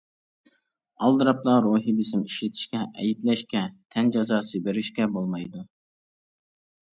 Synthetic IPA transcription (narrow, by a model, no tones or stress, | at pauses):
ɑlˠd̪ɨɾɑplˠɑɾoːɦibɪsɪmiʃlɪt̪ʰɪ̥ʃkʲɛʔɛjiplɛʃkʲɛt̪ʰɛnd͡ʒɑzɑːsɨbeɾɪʃkʲɛbolˠmɑjd̪u